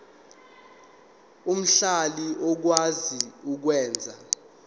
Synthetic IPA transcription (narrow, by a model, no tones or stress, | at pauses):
um̩ɬaliɔk̬waziuk̬wɛːnd͡zʱa